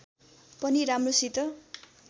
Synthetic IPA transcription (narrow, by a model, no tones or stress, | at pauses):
pʌniɾamrosit̪ʌ